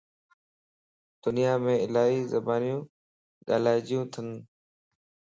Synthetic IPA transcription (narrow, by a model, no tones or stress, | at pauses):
d̪̥ʊnɪjaːmẽːɪlaːiːzəbaːnjũː | ɠa̰ːlaːɪd͡ʒɪjũːt̪ʰən